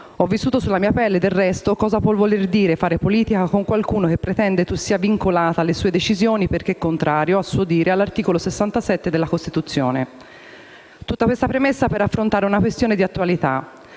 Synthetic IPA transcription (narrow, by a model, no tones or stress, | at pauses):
ɔvːisːuːt̪osulːamiːapɛlːed̪elrɛst̪okɔːzapwɔvolerd̪iːɾefaːɾepoliːt̪ikakoŋkwalkuːnok̟epːɾet̪ɛnd̪et̪usːiːaviŋkolaːt̪alːesuːed̪et͡ʃizjoːniperk̟eɛkːont̪ɾaːɾjoasːuod̪iːɾealːart̪iːkolosesːant̪asɛt̪ːed̪elːakost̪it̪ut̪sːjoːne | t̪ut̪ːakwest̪apɾemesːapeɾafːɾont̪aːɾeunakwest̪joːned̪iat̪ːualit̪a